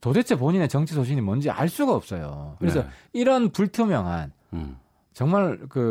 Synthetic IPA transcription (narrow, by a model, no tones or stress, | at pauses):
todet͡ɕʰep̬oɲine̞t͡ɕʌŋt͡ɕʰisʰoɕ̬ʰinimʌnd͡ʑia̰ɭs͈uɡaʌp̚s͈ʌjo̰kɯɾe̞s̬ʰʌiɾʌnpuɭtʰjomjʌŋɦa̰n | t͡ɕʌŋmaɭkɯ